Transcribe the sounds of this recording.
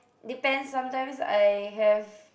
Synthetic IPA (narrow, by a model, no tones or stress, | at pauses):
dipɛ̃nsːãmtãɪmsa̰jɦɛv